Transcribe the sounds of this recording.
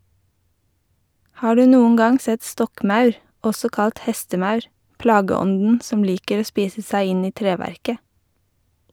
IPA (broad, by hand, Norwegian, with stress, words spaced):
ˈhɑː ˈɖʉː ˈnuːŋ̍ ˈɡɑŋ ˈsɛt ˈstɔkˌmɑʉɹ ˈɔsɔ ˈkɑlt ˈhɛstəˌmɑʉɹ ˈplɑːɡəˌɔndn̩ ˈsɔm ˈliːkəɾ ˈoː ˈspiːsə ˈsæɪ ˈɪn ˈiː ˈtɾeːʋæɾkə